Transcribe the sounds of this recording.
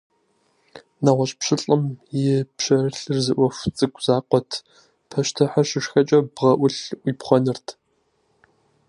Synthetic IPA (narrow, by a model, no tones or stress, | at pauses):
naʁʷɔɕʼpɕɪɬʼɨmjɪpɕɐrɨɬɨrzɨʔʷɔft͡sʼɨkʷʼz̥aːqʷʼɔtʰ | pʰɐʃtʰɐħaʃɪʂxɐt͡ʃʼɐbʁɐʔʷʊɬʔʷipχʷɔnɨrtʰ